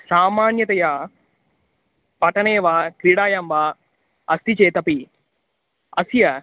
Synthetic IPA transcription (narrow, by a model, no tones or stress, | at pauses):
saːmaːnjɐt̪ɐjaː | pɐʈɐneːʋaːk̪ɾiːɽaːjamʋaː | ɐst̪it͡ʃeːt̪ɐpi | ɐsijɐ